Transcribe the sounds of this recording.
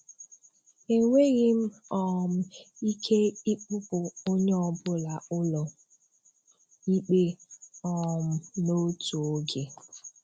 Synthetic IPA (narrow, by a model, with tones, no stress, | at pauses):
e˨ŋʷe˦ɣi˦m̩˦ɔ˦m̩˦i˦kʰe˦i˦k͡pʊ˦pʊ˨o˦ɲe˦ɔ˨bʊ˦la˨ʊ˦lɔ˨ | i˦k͡pe˦ɔ˨m̩˦no˦tu˨o˦ɡe˨